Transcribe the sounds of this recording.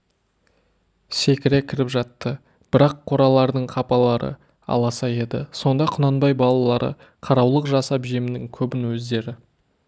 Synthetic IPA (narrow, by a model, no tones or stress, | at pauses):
se̞kʲɪɾe̞kʲʰɪɾɪpʒɑt̪ːə | b̥ɪɾɑqʰːoɾɑlˠɑɾd̪əɴqʰɑpɑlˠɑɾə̰ | ɑ̰lˠɑsɑje̞d̪ɪ̰so̞nd̪ɑqʰʊnɑnbɑjbɑlˠɑlˠɑɾə̰ | qʰɑɾɑwlˠəqʒɑsɑpʒemɪnɪŋkʲʰɵbɪnwɵzd̪e̞ɾɪ